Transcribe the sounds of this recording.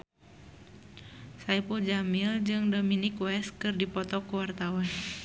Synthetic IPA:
saipuld͡ʒamild͡ʒɨŋdominikwɛskɨrdipɔt̪ɔkuwart̪awan

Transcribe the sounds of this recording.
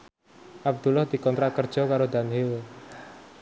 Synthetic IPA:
ʔab̚d̪̥ulahd̪̥i̤kɔnt̪ɾakərd̥ʒ̥ɔ̤kaɾod̪anɦil

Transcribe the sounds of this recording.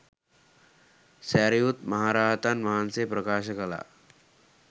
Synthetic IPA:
sɛːɾijut̪mɐɦaːɾaːɦt̪anmɐɦansepɾɐkaːʃəkɐla̰ː

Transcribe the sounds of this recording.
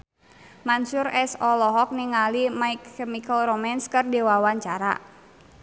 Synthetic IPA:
mansuɾɛsɔlɔɦɔk̚niŋalimaikːɛmikɔlɾɔmɛnskɨrdewawaɲt͡ʃaɾa̰

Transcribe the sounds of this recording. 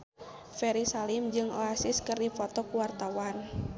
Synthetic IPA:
fɛɾisalimd͡ʒɨŋɔasiskɨrdifɔt̪ɔkuwart̪awan

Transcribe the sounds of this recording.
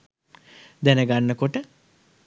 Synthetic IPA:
d̪ɛnəɡanːəkoʈə

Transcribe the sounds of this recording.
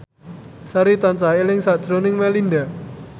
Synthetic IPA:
saɾit̪ant͡ʃaɦelɪŋsad̥ʒ̥ɾonɪŋmɛlinda

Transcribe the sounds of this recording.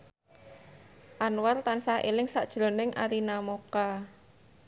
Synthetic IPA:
ʔanwart̪ansahʔḛlɪŋsaʔd̥ʒ̥lo̤nɪŋʔa̰ɾinamoka

